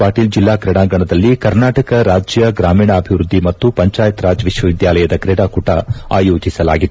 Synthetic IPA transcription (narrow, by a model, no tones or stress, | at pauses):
aːʈiːld͡ʒilːaːkɾɛɽaːɡɐɳɐd̪ɐlːikɐɾnaːʈɐkɐɾaːd͡ʒjɐɡɾaːmiːɳɐɐbʱiʋɾud̪ʱːimɐt̪ːupɐɲt͡ʃaːjɐt̪ɾaːd͡ʒʋiʂʋɐʋid̪jaːlɐjɐd̪ɐkɾɛɽaːkuʈɐ̰a̰ːjoːd͡ʒisɐla̰ːɡid̪ː